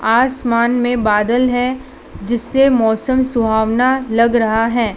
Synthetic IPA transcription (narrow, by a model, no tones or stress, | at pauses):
aːsmaːnmẽbaːd̪əlɦɛ | d͡ʒɪsːemɔːsəmsʊbʱaːʋnalɐɡɾɐɦaɦɛː